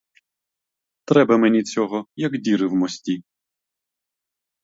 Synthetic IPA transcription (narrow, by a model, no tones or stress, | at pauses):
t̪ɾɛbɐmenʲit͡sʲɔɦɔjɐɡdʲiɾɪwmɔsʲtʲi